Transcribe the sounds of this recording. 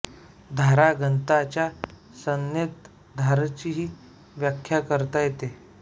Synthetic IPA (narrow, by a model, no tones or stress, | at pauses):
d̪ʱaɾaɡənt̪at͡ɕja | sənjet̪ | d̪ʱaɾt͡ɕiɦiː | ʋjakʰːjakəɾt̪ajet̪e